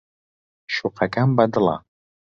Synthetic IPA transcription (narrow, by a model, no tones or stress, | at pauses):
ʃuqʰakʼambɐd̪ɨlˠa̰